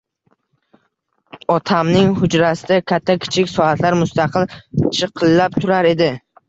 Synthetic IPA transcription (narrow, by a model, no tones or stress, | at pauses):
ɒt̪ʰamnɪŋhʊd͡ʒɾasɪd̪akʲʰat̪ʰːakʲʰɪ̥t͡ʃʰɪkʲsɒhat̪ʰlaɾmʊst̪ɑqʰɨlt͡ʃʰɨqʰɨlːap̚t̪ʰʊɾaɾe̞d̪ɪ